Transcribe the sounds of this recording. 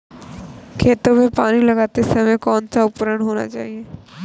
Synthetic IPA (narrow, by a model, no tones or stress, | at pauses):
kʰeːt̪omepaːnilɐɡaːt̪esɐmẽkɔːnsaʊpɾəɽɦoːna̰t͡ʃa̰ːɦieː